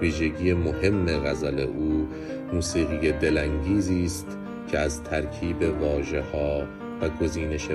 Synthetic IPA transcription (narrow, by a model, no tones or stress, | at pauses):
viːʒe̞ɟiːjemo̞he̞mːeɣæzæle̞ʔuː | muːsiːɣijed̪e̞læŋɟiːziːst̪ | cʰeæzt̪ʰæɾkʰiːbe̞vɒːʒe̞hɒː | væɡo̞ziːne̞ʃe